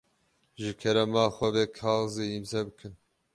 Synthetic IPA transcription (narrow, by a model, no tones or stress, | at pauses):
ʒɨkʰɛɾɛmaːxʷɐbeːkʰɑːziːimzɛbɨkʰɨn